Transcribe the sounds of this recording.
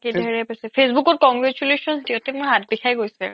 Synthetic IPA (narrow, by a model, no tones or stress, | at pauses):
kiɹɛpasɛpʰesbukɔɹkɔŋɡɹɛt͡ʃulesɔntiɔtɛmʊɹɦat̚bikʰajɡojsɛ̰